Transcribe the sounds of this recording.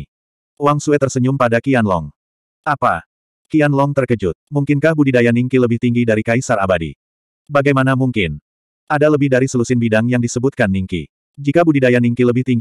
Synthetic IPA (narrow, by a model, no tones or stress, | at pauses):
uwaŋsuɛt̪ərsəɲʊmpadakianlɔ̰ŋ | ʔapa̰ | kianlɔŋt̪ərkəd͡ʒʊt̪̚muŋkɪnkahbudidajaniŋkiləbɪht̪iŋɡidaɾikaisara̰badḭ | baɡajmanamuŋkɪn | ʔadaləbɪhdaɾisəlusɪnbidaŋjaŋdisəbut̪̚kanːiŋkḭ | d͡ʒikabudidajaniŋkiləbɪht̪iŋɡ